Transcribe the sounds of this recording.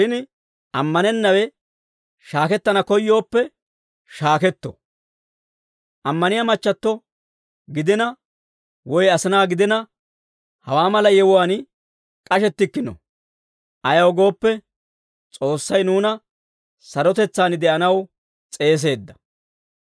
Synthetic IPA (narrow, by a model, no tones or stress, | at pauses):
ʃɪn | ʔɐmːɐnɛnːɐwɛ | ʃaːkɛt̪ːɐnɐkɔjːo̞ːpːɛ | ʃaːkɛt̪ːɔ̰ | ʔɐmːɐnɪjamɐt͡ʃːɐt̪ːɔ | ɡɪd̪ɪnɐ | wɔjɐsɪnaːɡɪd̪ɪnɐ | hɐwaːmɐlɐjɛwʊwaːn | kʼɐʃɛt̪ːɪkːɪnɔ̰ | ʔɐjɐwɡo̞ːpːɛ | t͡sʼo̞ːsːɐjnuːnɐ | sɐɾɔt̪ɛt͡sːaːnɪd̪ɛʔɐnɐw | t͡sʼe̞ːs̬e̞ːd̪ːɐ̥